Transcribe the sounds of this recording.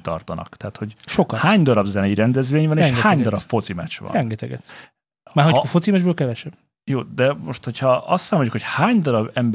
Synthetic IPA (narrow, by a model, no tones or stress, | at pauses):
t̪ɒ̰rt̪ɒnɒ̰kt̪ɛːt̪ho̞ɟʃokɒhaːɲd̪ɔɾɒbzɛnɛiɾɛnd̪ɛzʋeːɲvɒneːɛŋʃɡɛhaːɲd̪ɔɾɒpfo̞t̪simɛ̰t͡ʃʋɒ̰nɾɛŋɡɛt̪ɛɡɛ̰t̪ | maːɦoofot̪simɛʒbøːlkɛvɛʃɛb̥ | joːd̪ɛmo̞ʃt̪ho̞chɒɒst̪saːmojukhochaːɲd̪ɔɾɒbɛmb